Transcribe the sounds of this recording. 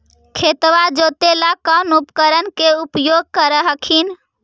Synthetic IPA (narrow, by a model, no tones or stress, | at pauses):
kʰet̪ʋad͡ʒot̪elakənupkəɾənkeupjoɡ̚kəɾəɦəkʰin